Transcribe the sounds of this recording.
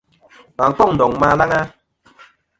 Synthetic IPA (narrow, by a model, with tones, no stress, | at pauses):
ma˨ŋ̩˨k͡pɔ˦ŋ̚n̩˨dɔ˨ŋma˦la˦ŋa˦